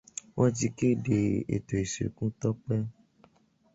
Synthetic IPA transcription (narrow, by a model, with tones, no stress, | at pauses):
wʔɔ̃˦ti˧ke˦de˨ḛ˨to˨i˨sḛ˨kũ˦t̪ɔ˦k͡pɛ˦